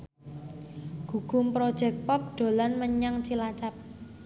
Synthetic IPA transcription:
ɡ̥uɡ̥ʊ̤mpɾod̥ʒ̥ɛk̚pɔp̚ɖ̪̥o̤lanməɲaŋt͡ʃilat͡ʃap̚

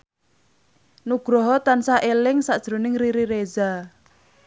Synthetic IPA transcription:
nuɡ̥ɾɔɦɔt̪ansaʔelɪŋsad̥ʒ̥ɾo̤nɪŋriɾiɾeza

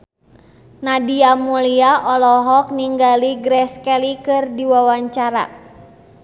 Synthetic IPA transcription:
nadiamuliaʔɔlɔɦɔkniŋɡaliɡɾɛskɛlikɨrdiwawaɲt͡ʃaɾa̰

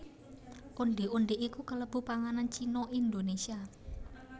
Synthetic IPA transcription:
ʔuɳɖeunɖeʔikukələb̥ṳpaŋanant͡ʃinɔʔind̪onesia

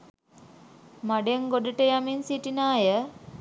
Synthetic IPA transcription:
maɖeŋɡodiʈəjaminsiʈinaːjə

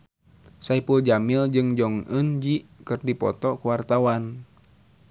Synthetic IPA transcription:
saipuld͡ʒamild͡ʒɨŋd͡ʒɔŋənd͡ʒikɨrdipɔ̰t̪ɔkuwart̪awan

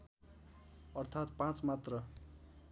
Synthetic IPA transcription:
ʌrt̪ʰat̪̚pãt͡smat̪rʌ

